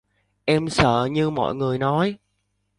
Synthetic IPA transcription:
ʔɛ˧msə̰ː˧˩˨ɲɨ˧mɔ̰˧˨jŋɨ˨˩əjnɔ˨˦j

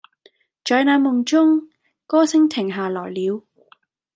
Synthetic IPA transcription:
t͡ʃɔː˨˧jnaː˨˧˥mʊ˨˩ŋt͡ʃʊ˥ŋ | kɔː˥sɪ˥ŋt̪ʰɪ˨˩ŋɦaː˨lɔː˨˩jliː˨˧w

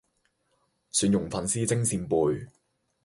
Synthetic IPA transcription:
syː˧njʊ˨˩ŋfɐ˨nsiː˥t͡sɪ˥ŋsiː˧npuː˨˧j

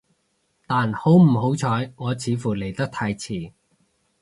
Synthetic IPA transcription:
t̪aː˨nho˨˥wm̩˨˩ɦo˨˥wt͡ʃʰɔː˨˧˥jŋɔː˨˧t͡sʰiː˨˧fuː˨˩le˨˩jt̪ɐ˥k̚t̪ʰaː˧jt͡sʰiː˨˩

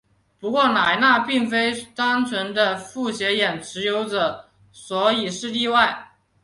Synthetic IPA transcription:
pu˧˥kwɔ˥˩na˨˩ɪna˥˧pi˥˩ŋfe˥ɪt̪a˥ŋt͡sʰwə˧˥nd̪ə˧fu˥˩ɕjɛ˧˥jɛ˨˩nʈ͡ʂʰɻ̩˧˥jo˧˥ʊʈ͡ʂɤə˨˩ | swɔ˧˥i˨˩ʂɻ̩˥˧li˥˧wa˥˩ɪ

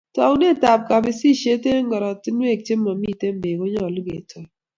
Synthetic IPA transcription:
tɔ˨u˦ne˦˨ta˨p̚ka˨bi˨si˦ʃe˦te˦ŋɡɔ˨ɾɔ˨ti˦n˦e˦˨k̚t͡ʃe˦mːɔ˨mi˦˨te˦m˦be˨ɡo˦ɲɔ˦˨lu˦ɡḛ˨tʰɔ˨

